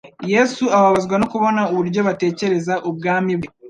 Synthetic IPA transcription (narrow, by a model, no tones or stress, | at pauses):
je̞suaβaβazɡwanokuβo̞nauβuɾɟo̞βate̞ːce̞ɾe̞zaʔubɡaːmib